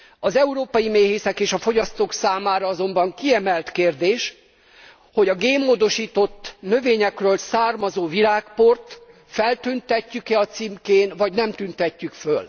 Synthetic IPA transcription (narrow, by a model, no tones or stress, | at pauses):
ɒzɛuɾoːpɒjimeːɦeːsɛkeːʃɒfo̞ɟɒst̪oːksaːmaːɾɒɒzo̞mbɒŋkiɛmɛlt̪keːrd̪eːʃ | ho̞ɟɒɡeːmːoːd̪o̞ʃiːt̪o̞t̪ːnøveːɲɛkrøːlsaːrmɒzoːviɾaːkport̪ | fɛlt̪ynt̪ɛcːykɛɒt̪simkeːnvɒɟnɛmt̪ynt̪ɛcːykføl